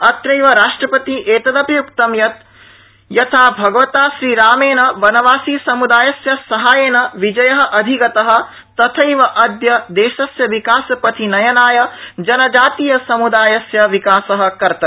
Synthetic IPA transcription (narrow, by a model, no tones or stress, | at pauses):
ɐt̪ɾɐjʋɐɾaːʂʈɾɐpɐt̪iʔeːt̪ɐd̪ɐpɾɐjukt̪ɐmjɐt̪̚ | jɐt̪ʰaːbʱɐɡɐʋɐt̪aːʃɾiːɾaːmeːnɐʋɐnɐʋaːsiːsɐmud̪aːjɐsjɐsɐɦaːjeːnɐʋid͡ʒɐjɐɦɐ̆ʔɐd̪ʱiɡɐt̪ɐɦɐ̆ | t̪ɐt̪ʰɐjʋɐʔɐd̪jɐd̪eːʃɐsjɐʋikaːsɐpɐt̪ʰinɐjɐnaːjɐd͡ʒɐnɐd͡ʒaːt̪ijɐsɐmud̪aːjɐsjɐʋikaːsɐɦɐ̆kɐɾt̪ɐ